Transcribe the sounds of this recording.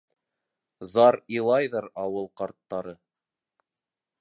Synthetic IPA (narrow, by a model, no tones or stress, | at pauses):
zɑɾilˠɑjðɤɾɑwɤlˠqɑɾt̪ːɑɾɤ